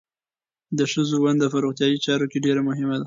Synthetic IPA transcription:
d̪əʃəzowand̪afaɾoxt̪jɑjit͡ʃɑɾokeɖeɾamʊɦɪmad̪a

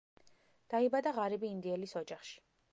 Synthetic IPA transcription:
d̪̥aibad̪aʁaɾibiːnd̪iɛlisɔd͡ʒaχʃi̥

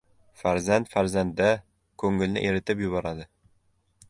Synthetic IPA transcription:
faɾzant̪faɾzand̪ːa | kʰɵŋɪlnɪ̰ʔe̞ɾɪt̪ʰɪpjʊbɒɾad̪ɪ

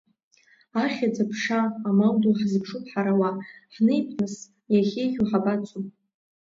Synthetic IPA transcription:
aχʲad͡zapʰʂaːmawduħzpʰʂupʰħaɾawaħnɨjpʰmɨs | jaχʲejχʲᶣuħabat͡sʰumʼ

